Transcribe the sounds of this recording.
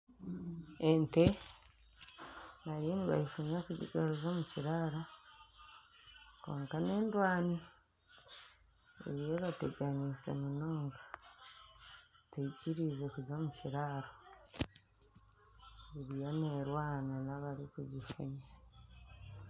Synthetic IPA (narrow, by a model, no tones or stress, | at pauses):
ente | naɾiniβa̰jifuɲakuɟḭɡaɾuzomuciɾaɾa | koːŋkane̞ːndwaːni | ḛɾijoβateɡanise̞̰munoːŋɡḁ | teiciɾize̞kuzoːmuciɾaɾo | eɾijo̞neɾwaːnanaβaɾikuɟifṵɲa